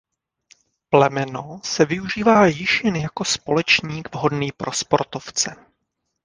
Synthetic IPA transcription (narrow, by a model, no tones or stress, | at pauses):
plɛmɛno̞sɛvɪuʒiːvaːjɪʃjɛnjako̞spo̞lɛt͡ʃɲiːɡvɦo̞dniːpɾʔo̞spo̞ɾt̪oft͡sɛ